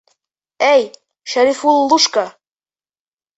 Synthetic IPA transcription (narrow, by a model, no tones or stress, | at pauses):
æj | ʃæɾifulːuʃka